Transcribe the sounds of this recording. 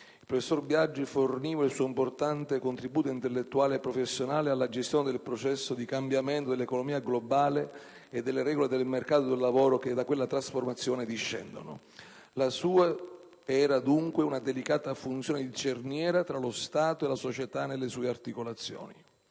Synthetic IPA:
ilpɾofesːorbjad͡ʒːiforniːvailsuːoimport̪ant̪ekont̪ɾibuːt̪oint̪elːet̪ːuaːleːpːɾofesːjonaːlealːad͡ʒest̪joːned̪elpɾot͡ʃɛsːod̪ikambjament̪od̪elːekonomiːaɡlobaːle | ed̪ːelːeɾɛɡoled̪elmerkaːt̪od̪elːavoːɾoked̪akwelːat̪ɾasformat̪sːjoːned̪iʃːɛ̰nd̪o̰no̰ | lasuːa | ɛːɾad̪uŋkweunad̪elikaːt̪afunt̪sjoːned̪it͡ʃernjɛːɾat̪ɾalost̪aːt̪oelasot͡ʃet̪anːelːesuːeart̪ikolat̪sːjo̰ːni

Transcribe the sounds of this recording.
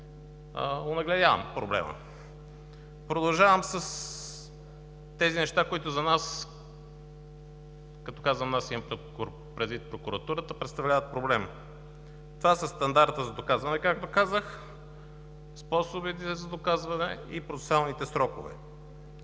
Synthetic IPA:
ə̰onɐɡlɛd̪javə̰mpɾoblɛ̰mə̰ | pɾod̪ɐlˠʒavəmsəs | t̪ɛzinɛʃt̪akoit̪ʊzɐnas | kɐt̪ɔ̥kazvəmnasiɐmp | pɾɛd̪vit̪̚pɾokuɾɐt̪uɾət̪əpɾɛt̪st̪ɐvlʲavət̪̚pɾoblɛm | t̪ovasɐst̪ɐnd̪aɾt̪əzɐd̪okazvɐnɛkak̚t̪okazəx | spɔsobit̪ɛzɐd̪okazvɐnɛipɾot̪ɛ̥salˠnit̪ɛsɾɔkʊ̰vɛ̰

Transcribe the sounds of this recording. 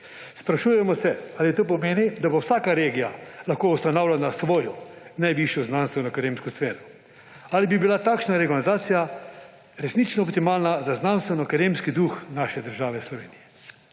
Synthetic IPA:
spɾaʃuːjɛmɔsɛaːlit̪oːp̬ɔmeːnid̪abowsaːkaɾeːɡijalaxkoust̪anawlanasʋoːjɔnajʋiʃjɔznanst̪ʋɛnɔkaɾeːmskɔsfeːɾɔ | alibibilat̪aːkʃnaɾɛɡɔmzaːt̪sija | ɾɛsnit͡ʃnɔːp̚t̪imaːlnazaznanst̪vɛnɔkaɾemskid̪uxnaːʃɛd̪əɾʒaːʋɛslɔʋḛːnijɛ

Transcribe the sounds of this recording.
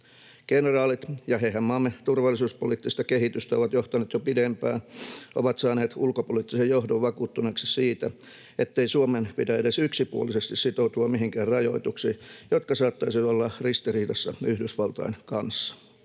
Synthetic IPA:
kenerɑːlit̪jɑhehæmmɑmːet̪urʋɑlːˑisuːspoliːt̪ːist̪ɑkehit̪yst̪æoʋɑt̪joht̪ɑneːt̪jopidempæːʔoʋɑt̪sɑːneːt̪ulkopoliːˑt̪ːisejjohdoʋʋɑkuːt̪ːuneksissiːt̪æ | et̪ːeisuomenpitæedesyksipuolːisest̪issit̪out̪uɑmmiɦiŋkæːrrɑjoit̪uksiːjot̪kɑsɑːt̪ːɑisiʋæt̪olːɑrist̪iriːdɑsːɑ̰yhdysʋɑlt̪ɑ̰inkɑnsːɑ̥

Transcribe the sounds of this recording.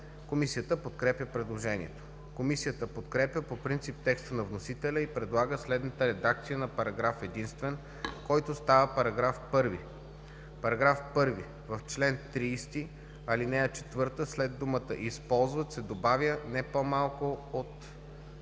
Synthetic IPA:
komisijət̪əpot̪kɾɛpjʲəpɾɛd̪lˠoʒɛnḭɛ̰t̪o̥ | komisijət̪əpot̪kɾɛpʲjəpopɾint̪sip̚t̪ɛkst̪ənɐvnosit̪ɛlʲəipɾɛd̪lˠaɡəslɛd̪nət̪əɾɛd̪ak̚t̪sijənɐpɐɾɐɡɾafɛd̪inst̪vɛn | kɔjt̪ost̪avəpɐɾɐɡɾafpɤɾvi | pɐɾɐɡɾafpɤɾvi | vəft͡ʃlɛnt̪ɾiːst̪i | alinɛɐt͡ʃɛ̥t̪vɤɾt̪əslɛd̪d̪ːumət̪əʔispɔlˠzvət̪sɛd̪obavʲjənɛpomalˠkoot̪

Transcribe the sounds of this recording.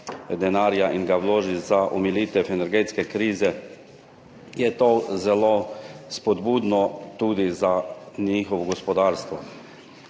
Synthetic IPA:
d̪ɛnaːɾjaʔinɡawloːʒizaʔɔmilit̪ɛfɛnɛɾɡeːt̪skɛkɾiːzɛ | jɛt̪ozɛlospɔd̪buːd̪nɔt̪uːd̪izaniːxɔʋɔɡɔspɔd̪aːɾst̪ʋɔ

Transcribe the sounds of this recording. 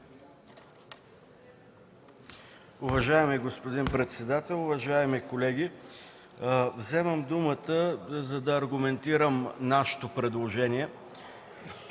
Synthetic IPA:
ʊvɐʒaɛmiɡospod̪inpɾɛt̪sɛd̪at̪ɛlˠʊvɐʒaɛmikolɛɡʲi | vzɛməmd̪umət̪əzɐd̪ɐːɾɡʊmɛnt̪iɾəmnaʃɛ̥t̪opɾɛd̪lˠoʒɛniɛ

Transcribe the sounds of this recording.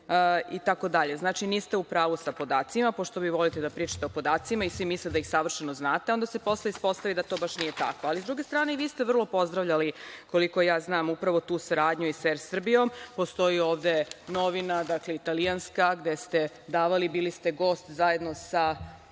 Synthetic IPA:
it̪ako̞d̪aʎe̞znaːt͡ʃiniːst̪eupɾaːʋusapo̞d̪aːt̪simapo̞ʃt̪o̞ʋiʋo̞lit̪ed̪apɾiːt͡ʃḁt̪eopo̞d̪aːt̪simaisʋimisled̪aixsaʋr̩ʃenoznaːt̪eo̞nd̪asepo̞sleispo̞st̪aʋid̪at̪o̞ːbaʃnijet̪a̰koalizd̪ɾuɡe̞st̪ɾaːne̞ʋiːst̪eʋr̩lˠo̞po̞zd̪ɾaʋʎaliko̞liko̞jaːznaːmupɾaʋo̞t̪uːsaɾaːd̪ɲuisɛɾsr̩bijo̞mpo̞st̪o̞jioːʋd̪e̞no̞ʋinad̪akleit̪alianskaɡd̪est̪e̞ | d̪aːʋalibiːlist̪eɡo̞ːst̪zaje̞d̪no̞sa

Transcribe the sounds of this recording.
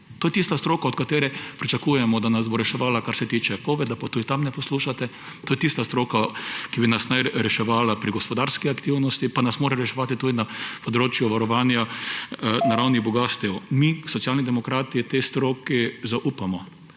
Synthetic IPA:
t̪oːjɛt̪ist̪ast̪ɾoːkaɔt̪kat̪eːɾɛpɾit͡ʃakuːjɛmɔd̪anazboɾɛʃɛʋaːlakaɾsɛt̪iːt͡ʃɛpɔʋɛd̪apat̪uːd̪it̪amnɛpɔsluʃat̪ɛ | t̪oːjɛt̪ist̪ast̪ɾoːkakibinasnajɾɛʃɛʋaːlapɾiɡɔspɔd̪aɾskiakt̪iwnɔst̪ipanasmoːɾɛɾɛʃɛʋat̪it̪uːd̪inapɔd̪ɾoːt͡ʃjʊʋaɾɔʋaːnja | naɾawniɣbɔɡast̪ɛwmisɔt̪sjaːlnid̪ɛmɔkɾaːt̪it̪est̪ɾoːkizaʔuːpamɔ

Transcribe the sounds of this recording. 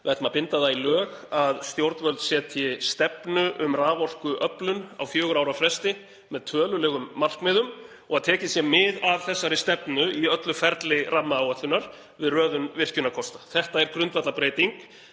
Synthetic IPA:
vɛt̪mapɪnt̪aðailœːɣaðst̪jowɾt̪nvœlt̪sjɛːt̪ʰjɪst̪ɛpnʏʔʏmraːvɔl̥kʏʔœplʏna̰wfjœːɣʏɾaːwɾafɾɛst̪ɪ | mɛðt̪ʰœːlʏlɛːɣʏmːar̥kmɪːðʏm | ɔɣaðt̪ʰɛːcɪsjɛmɪðavθɛsːaɾɪst̪ɛpnʏiœt̪lʏfɛɾt̪lɪrʔamːaːwat̪ʏnːaɾ̥ | vɪðrœːðʏnvɪr̥cʏnakʰɔst̪ḁθɛht̪aɛɾkɾʏnt̪vat̪lapɾeːjt̪iŋk

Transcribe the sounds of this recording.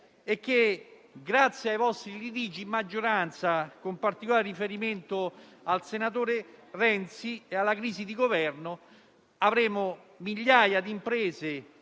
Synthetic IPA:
ekːeɡɾat̪sːjeajvɔst̪ɾilit̪̬iːd͡ʒimːad͡ʒːoɾant̪sakompart̪ikolaːɾerifeɾiment̪ʊalsenat̪oːɾerɛnt̪siealːakɾiːzid̪iɡovɛrnʊ | avɾeːmʊ | miʎːaːjad̪impɾeːze

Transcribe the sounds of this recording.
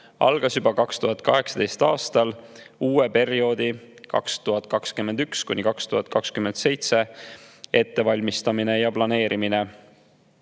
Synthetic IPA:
ɑ̰lɡ̥ɑsubɑkɑkst̪uɦɑt̪̚ːˑkɑɦe̞ksɑ̥d̪e̞jst̪ɑːst̪ɑluːepe̞rio̞ːd̪̥i | kɑ̰kst̪uɦɑt̪̚ˑkɑkskymend̪ykskṵnʲikɑkst̪uhɑt̪̚ˑkɑkskyment̪se̞jt̪se̞ | e̞t̪ːe̞vɑlʲmist̪ɑminejɑplɑne̞ːɾʔimine̞

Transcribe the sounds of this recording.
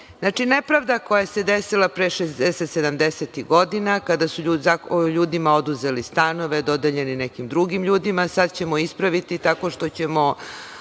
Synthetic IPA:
znat͡ʂinepɾaʋd̪ako̞jaese̞d̪esilˠapɾeʃezd̪ɛset̪sed̪amd̪eset̪iɣɡo̞d̪inakad̪asuʎuzaoʎuːd̪imao̞d̪uze̞list̪ano̞ʋe̞d̪o̞d̪eʎe̞ninekimd̪ɾuɡimʎuːd̪imasad̪t͡ɕe̞mo̞ispɾaʋit̪it̪ako̞ʃt̪o̞t͡ɕe̞mo̞

